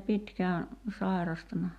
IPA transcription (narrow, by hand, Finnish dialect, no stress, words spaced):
pitkæː sɑˑi̞rɑstɑnɑ